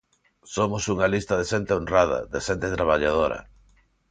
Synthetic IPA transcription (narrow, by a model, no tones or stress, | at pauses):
somosuŋalist̪ɐðeʃent̪eonrað̞ɐ̰ðeʃent̪et̪ɾaβaʎað̞oɾɐ̰